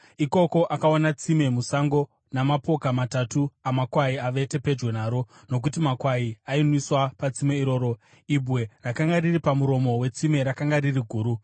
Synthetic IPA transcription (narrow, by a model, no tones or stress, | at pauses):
iko̞ko̞ʔakaonat͡sime̞musaŋɡo̞ | namapo̞kamatatuamakwaiaʋe̞te̞pe̞d͡ʒwenaːɾo̞ | no̞k̬utimakwaiainwiswapat͡simeiɾo̞ːɾo̞ | ibʱwe̞rakaŋɡariripamuɾo̞mo̞we̞t͡sime̞ɾakaŋɡaririɡʱuːɾu